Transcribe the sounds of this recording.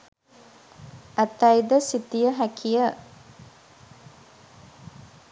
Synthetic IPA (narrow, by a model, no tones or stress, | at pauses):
ʔæt̪ɐjd̪əsit̪ijəɦækʰijə